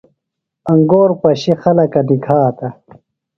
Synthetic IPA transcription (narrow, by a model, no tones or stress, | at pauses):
ɐŋɡoːɾpɐɕixɐlɐkɐnikʰaːt̪ɐ